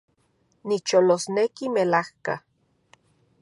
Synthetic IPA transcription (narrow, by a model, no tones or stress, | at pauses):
nit͡ʃolosnekimelahka